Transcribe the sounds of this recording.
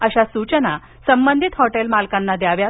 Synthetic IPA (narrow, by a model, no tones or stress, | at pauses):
əɕasut͡ɕəna | səmbənd̪ʱit̪hɔʈelmalkãnːad̪jaʋja